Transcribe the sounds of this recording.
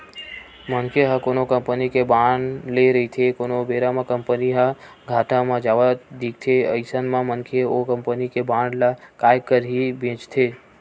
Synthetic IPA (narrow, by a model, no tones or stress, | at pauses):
mənkʰeɦə̃konokəmpənikebaɳleɾəit̪ʰekonobeɾamãkəmpəniɦə | ɡʱaʈãmãd͡ʒaʋad̪ik̚t̪ʰeə̰ɪsənmãmənkʰeokəmpənikebaɳlakajkəɾɦibẽt͡ʃt̪ʰe